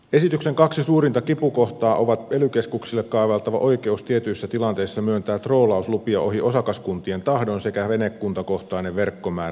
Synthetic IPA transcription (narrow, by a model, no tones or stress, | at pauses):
e̞sit̪ykseŋkɑksisuːrint̪ɑkipuko̞ht̪ɑːʔo̞ʋɑt̪elykeskuksilːekkɑiʋɑlt̪ɑʋɑ̰ʔo̞ik̟e̞ust̪iet̪yisːæt̪ilɑnt̪e̞isːɑmyønt̪æːt̪roːlɑuslupiɑʔo̞hiʔo̞sɑkɑskunt̪ie̞nt̪ɑhdonse̞kæʋenekːunt̪ɑko̞ht̪ɑineʋʋerkːomæː